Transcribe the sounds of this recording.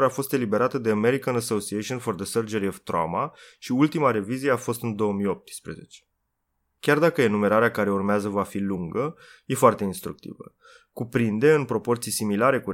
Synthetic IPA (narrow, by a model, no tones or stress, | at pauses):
ɾeafo̞st̪e̞libe̞ɾat̪əd̪e̞əme̞ɾikənəsosieʃionfo̞rd̪əsərd͡ʒeɾiovt̪ɾa̰maʃiult̪imaɾe̞vizije̞afo̞st̪ɨnd̪o̞əmijo̞p̚t̪spɾe̞̰ze̞̰t͡ʃe̥ | kʲard̪akəe̞nume̞ɾaɾeakaɾe̞urmeazəvafiluŋɡəje̞foart̪e̞inst̪ɾuk̚t̪ḭvə̰ | kupɾind̪e̞ɨnpɾo̞po̞rt̪sijsimilaɾe̞ku